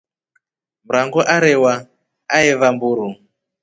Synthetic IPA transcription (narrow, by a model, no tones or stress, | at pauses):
m̩ɾaŋɡɔʔaɾɛwa | aeβambuɾu